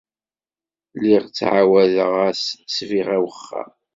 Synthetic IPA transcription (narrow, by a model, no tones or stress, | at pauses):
liʁt͡sːʕawæðəʁæssviʁæwəχːæ̰